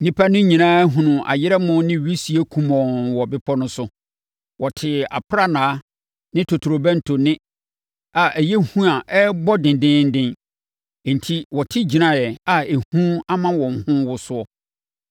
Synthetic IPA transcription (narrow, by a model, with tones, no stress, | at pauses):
nĩ˦pʰa˦nʊ̃˦ɲĩ˨nãː˦ɦũ˨nʊ̃˨ʔa̰˨jɪ˦ɾɛ˦mʊ̃˦nɪ̃˦˨ɥi˦si˨e˦kʰũ˦˨mɔ̃˨wɔ˨bɪ˦pʰɔ˦nʊ̃˦sʊ˦ | wɔ˨tʰɪ˨a̰˨pʰɾa˦nãː˨˦ | nɪ̃˦tʰo˨tʰu˨ɾo˨bæ̃˦n̩˨tʰo˨nɪ̃˦ | a˨ʔæ˨jɛ˦hũ˦a˨ʔɛ˦bɔ˦dɪ̃˨ndɪ̃˦n̩˦dɪ̃˦n˨ | n̩˨tʰi˦wɔ˨tʰɪ˦d͡ʑi˨nã˨jɛ˨a˨e˨hũ˦a˦mã˦wɔ̃˨ŋ̩˨hʊ̃˦wʊ˦sʊ˦ɔ˦